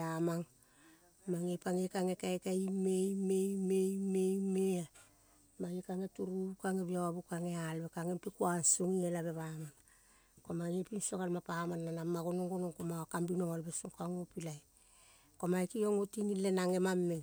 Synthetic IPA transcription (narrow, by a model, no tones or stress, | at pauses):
amaŋ | maŋepaŋekaŋe̞kajkaimejmejmejmejmea | majekaŋetuɾukaŋebiawabukaŋe̞alβekaŋempikuansuŋielaβe̞βaman | komanepinsoɣalmapamanːanamːaɡonoŋɡonoŋkomawakambinoŋalbesuŋkaŋopilaj | komajkioŋotinilːenaŋe̞mamːe